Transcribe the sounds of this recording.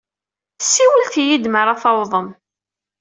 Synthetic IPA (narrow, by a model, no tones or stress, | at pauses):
sːiwəlθjid̪məɾˤɑθɑwðˤəm